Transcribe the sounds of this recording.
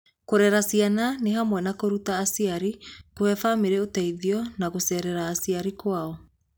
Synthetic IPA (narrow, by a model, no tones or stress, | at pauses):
koɾɛɾasiananeɦamwɛnakoɾutaːsiaɾikoɛfameɾɛotɛiðiɔnaɣosɛɾɛɾaːsiaɾikwaɔ